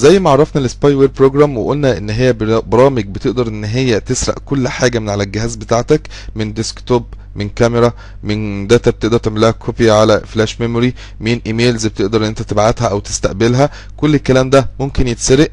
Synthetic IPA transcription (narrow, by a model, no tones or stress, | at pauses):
zæjːmæʕɑɾˤːɑfnælespɑjweːɾpɾoːɡɾæmweʔolnæʔenːɦejːæbbɑɾˤɑːmeɡ̚bet̪eʔd̪ɑɾˤʔenːɦejːæt̪esɾˤɑ̰ʔkolːħaːɡæmenʕalælɡeɦæːzbet̪aːʕt̪æk | mend̪eskt̪oːb | menkæmeɾˤæ | mend̪æːt̪æb̚et̪eʔd̪ɑɾˤt̪eʕmelːæhækʰopiʕalæflæːʃmemoɾi | meːnʔiːmeːlzbet̪eʔd̪ɑɾˤʔenːʔent̪æt̪ebʕat̪hæʔæwt̪e̥st̪æʔbelɦæ | kolːelkːælæːmd̪æmomkenjet̪seɾeʔ